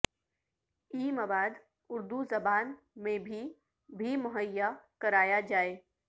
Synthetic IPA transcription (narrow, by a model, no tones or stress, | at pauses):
iːməbaːd̪ | ʊɾd̪uzɐbaːn | mẽbʱi | bʱimʊɦəjːakɐɾaːjad͡ʒaːeː